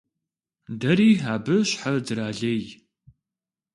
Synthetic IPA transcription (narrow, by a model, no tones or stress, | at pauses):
dɐɾiːɦaːbɨɕħad͡zɨɾaːɮej